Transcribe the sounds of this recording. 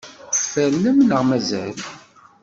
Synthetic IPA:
fːælːæmnəʁmæzæl

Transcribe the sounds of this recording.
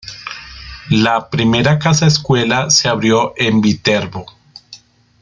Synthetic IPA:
lapɾime̞ɾakasaeskwe̞lase̞aβɾjoʔembit̪e̞ɾβo

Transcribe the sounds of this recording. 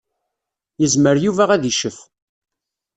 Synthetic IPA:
jəzməɾjuvæʁæðiʃəf

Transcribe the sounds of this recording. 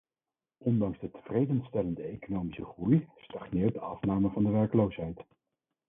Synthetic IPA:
ʔɔndɑŋzdətəv̥rejdənstɛləndəejkonowmisəχrujstɑχnɪːɹ̚dəɑfnaːməvɑndəʋɛɹkəlowsɦɛjt

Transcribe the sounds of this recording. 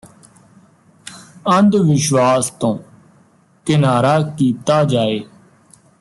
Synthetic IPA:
ə̃nd̪ʋɪʃʋaːst̪õː | kɪnaːɾaːkiːt̪aːd͡ʒaːeː

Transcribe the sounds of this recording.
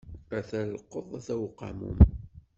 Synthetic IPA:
æθælqːəðˤæθæwqːɑ̰mṵm

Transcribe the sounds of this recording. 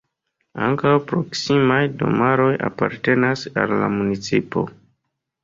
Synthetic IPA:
aŋkawpɾo̞ksimajdo̞̰maɾo̞ja̰paɾte̞nasa̰lːa̰munit͡sipo̞̰

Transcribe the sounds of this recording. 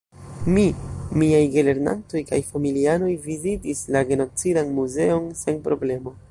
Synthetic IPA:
mimiajɡele̞ɾna̰nto̞jkajfamiliano̞jvizitislaɡe̞no̞t͡sidanmuze̞o̞nse̞npɾo̞ble̞mo̞

